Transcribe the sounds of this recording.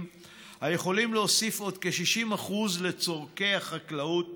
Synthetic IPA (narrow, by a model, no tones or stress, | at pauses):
m | haje̞χo̞limleosifo̞d̪keʃiʃimaχuzle̞t͡so̞ʁke̞haχaklau